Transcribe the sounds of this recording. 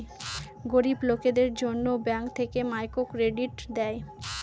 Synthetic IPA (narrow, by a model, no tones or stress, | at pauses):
ɡoɾibloked̪eɾd͡ʑonːobɛŋkt̪ʰekemajkokɾeɖiʈd̪ɛe